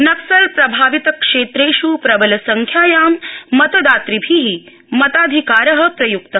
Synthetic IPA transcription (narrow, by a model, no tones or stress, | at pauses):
nɐksɐɾpɾɐbʱaːʋit̪ɐkʂeːt̪ɾeːʃupɾɐbɐlɐsɐŋkʰjaːjaːmːɐt̪ɐd̪aːt̪ɾibʱiɦi | mɐt̪aːd̪ʱikaːɾɐɦɐ̆pɾɐjuk̚t̪ɐ